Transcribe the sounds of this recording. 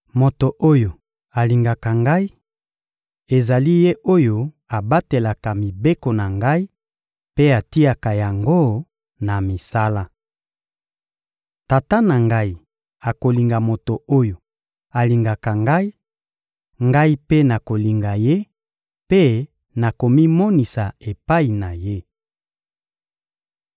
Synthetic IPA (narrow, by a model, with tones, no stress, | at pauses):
mo˨to˨ʔo˦jo˨ | a˨li˨ŋɡa˨ka˨ŋɡa˦i˦ | e˨za˨li˦je˦ʔo˦jo˨ | a˨ba˦te˨la˨ka˨mi˨be˦ko˨na˨ŋɡa˦i˦ | pe˦a˨ti˦a˨ka˨ja˨ŋɡo˦ | na˨mi˨sa˦la˦ | ta˨ta˦na˨ŋɡa˦i˨ | a˨ko˨li˨ŋɡa˨mo˨to˨o˦jo˨ | a˨li˨ŋɡa˨ka˨ŋɡa˦i˦ | ŋɡa˦i˦pe˦na˨ko˨li˨ŋɡa˨je˦ | pe˦ | na˨ko˨mi˦mɔ˦ni˨sa˨e˨pa˦i˨na˨je˦